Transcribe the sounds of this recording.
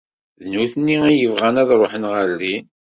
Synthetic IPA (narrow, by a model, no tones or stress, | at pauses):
ðnuθnːiijəvʁænæðɾˤoħənʁəɾli